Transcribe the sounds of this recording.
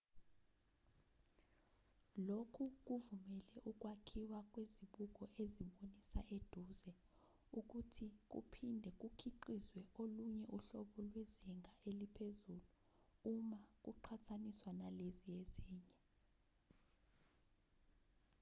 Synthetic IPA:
lokʰuk̬uvumɛlɛʔuk̬ʼwakʰiwak̬ʼweziɓuk̬ɔʔeziɓonisaʔed̥ʱuːzɛ | uk̬utʰik̬ṵpʰindʱɛk̬ʼukʰiǃizwɛʔoluɲɛʔuɬɔɓɔlwezɛŋʱaelipʰezulu | umak̬ʼuǃʰatʰaniswanalezieziːɲɛ

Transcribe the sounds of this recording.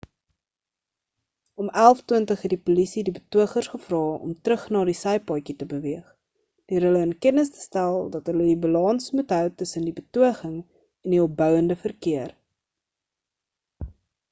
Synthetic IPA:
ɔmælˠftwiəntəχɦɛt̚dipulisidibətuəχərsχəfrɑːɔ̰mtrəχnɑːdisɛjpɑjkitəbəviəχ | d̥øəɾɦələənkɛnəstə̥stælˠdɐtɦələdibəlɑnsmutɦœwtəsəndibətuəχəŋ | ɛndiɔp̚bœwəndəfərkiər

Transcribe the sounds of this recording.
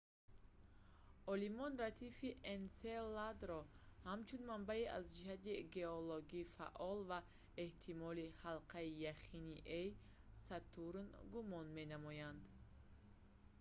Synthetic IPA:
ɔlimɔnrat̪ʰifiʔenselad̪ɾɔhamt͡ʃʰunmambaiʔazd͡ʒihat̪iɡe̞oloɡiːfa̰ʔɔlva | eht̪ʰimɔlihalqaijaχiniʔej | sat̪uɾnɡumɔnme̞namɔjand̪

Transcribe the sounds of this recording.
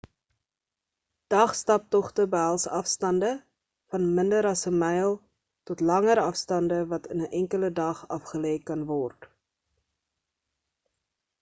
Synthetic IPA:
d̥ɐχstɐp̚tɔχtəbəɦælˠsɐfstɐndə | fɐnməndəɾɐsəmɛjlˠ | tɔtlɐŋəɾɐfstɐndəvɐtənəʔɛŋkələdɐχɐfχəlɛjkɐnvɔrt

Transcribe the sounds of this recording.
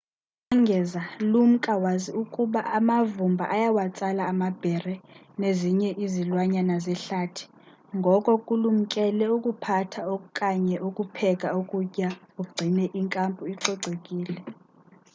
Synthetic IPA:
aŋɡʱɛzalum̩kʼawaziukʼuɓaamavumbʱa̰ʔajawat͡sʼalaːmab̥ʱɛrɛ | neziɲɛʔizilwaɲanazɛɬatʰi̥ | ŋɡʱɔkʼɔkʼulum̩kʼɛlɛukʼupʰatʰaokʼaɲɛʔukʼupʰɛkʼaukʼucʼjauɡ͡ǀʱinɛʔiŋkʼampʼuiǀɔɡ͡ǀʱekʼiːlɛ

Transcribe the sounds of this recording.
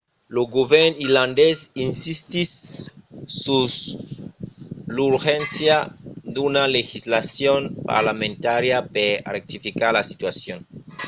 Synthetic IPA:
loɡoβeɾniland̪esinsist̪is | sus | luɾxensjad̪unalexizlasjonpa̰ɾlamẽnt̪aɾjaperek̚t̪ifikaɾlasit̪wasjon

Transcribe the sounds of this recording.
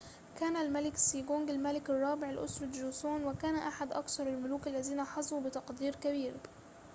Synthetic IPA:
kaːnalmalɪksiːɡoŋɡɪlmalɪkɑrˤːɑːbɪʕɪlʔʊ̰sɾˤɑd͡ʒuːsoːnwɪkaːnʔaħad̪ʔɑkθɑɾˤɪlmʊluːkalːaziːnaħɑzˤubɪt̪ɑqd̪iːɾkabiːɾ

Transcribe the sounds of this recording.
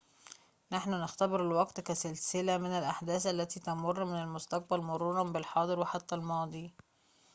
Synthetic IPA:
naħnʊnɪxt̪æbɪɾɪlwɑɡt̪kæsɪlsɪlæmɪnælʔaħd̪æːθʔælːæt̪iːt̪ɑmʊrˤːmɪnalmʊst̪ɑq̚bælmʊɾˤuːɾˤɑnbɪlħɑːd̪ˤɨɾwɪħat̪ːælmɑːd̪ˤiː

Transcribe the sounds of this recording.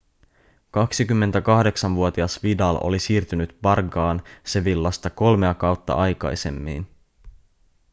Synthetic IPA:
kɑksikymːe̞nt̪ækɑhde̞ksɑnʋuo̞t̪iɑsʋidɑlʔo̞̰lisiːrt̪ynyt̪pɑrɡɑːnse̞ʋilːɑst̪ɑko̞lme̞ɑkɑwt̪ːɑ̰ʔɑjkɑ̰jse̞̰mːḭːn

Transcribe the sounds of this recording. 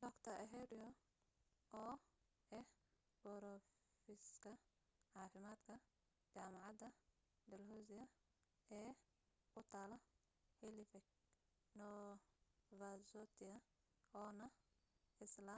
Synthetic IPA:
d̪ɔkt̪ʰɐɛɦɛɾɪɔ | ɔː | ʔɛh | b̥ɔɾɔ | fɪskʰɐ | ʕɑːfɪmaːd̪kʰɐ | t͡ʃaːmɑʕɑd̪ɐ | d̪ɛlhɔːsɪɐ | ɛː | kʰʊt̪ʰaːlɐ | hɛlɪfɛk̚ | nɔ | vasɔt̪ʰɪɐ | ɔːnɐ | ɪslɐ

